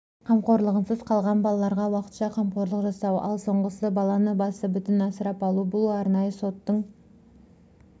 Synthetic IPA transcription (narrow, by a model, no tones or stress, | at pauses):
qʰɑmqo̞ɾlˠəʁənsəz̥qʰɑlˠʁɑnbɑlˠɑlˠɑɾʁɑwɑqə̥t̪ʃɑqʰɑmqo̞ɾlˠəqʒɑsɑwɑ̰lˠso̞ɴʁəsəbɑlˠɑnəbɑsəbʏt̪ɪnɑsəɾɑpɑlˠuəboʊlˠuɑɾnɑjəso̞t̪ːəɴ